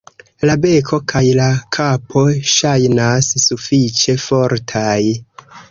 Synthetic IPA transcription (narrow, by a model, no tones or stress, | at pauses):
labe̞kʰo̞kʰajlakʰapʰo̞ʃajnasːufit͡ʃe̞fo̞ɾtʰaj